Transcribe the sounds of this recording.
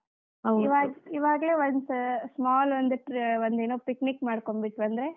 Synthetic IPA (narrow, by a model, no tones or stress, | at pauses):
ɦɐiʋaːɡiʋaːɡɐɭe̞ːʋond̪smaːlond̪uʈɾʋond̪eːnuːpiknikmaːɽkombiʈːuɐnd̪ɐɾe̞